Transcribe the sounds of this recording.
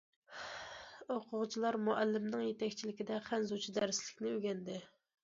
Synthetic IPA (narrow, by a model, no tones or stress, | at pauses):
oqʰʊʁt͡ʃʰilˠɑɾmoʔælːɪmnɪŋjet̪ɛkʲt͡ʃʰilɪkʲid̪ɛχænzut͡ʃʰid̪ɛɾɪslɪkʲnɪøɡʲɛnd̪ɪ